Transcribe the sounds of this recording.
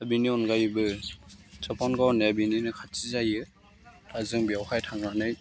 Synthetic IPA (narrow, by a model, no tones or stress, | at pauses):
abiniɔnɡajbɯ | zɔpɔnɡawnebininɯkʰatsizajɯ | azɯŋbiawkʰajtʰaŋɾanɯj